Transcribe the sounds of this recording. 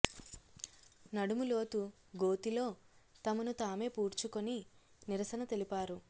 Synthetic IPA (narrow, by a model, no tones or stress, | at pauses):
nɐɽumulo̞ːt̪u | ɡo̞ːt̪ilo̞ːt̪ɐmɐnut̪aːme̞ːpuːɾt͡ʃukoni | niɾɐsɐnɐt̪e̞lipaːɾu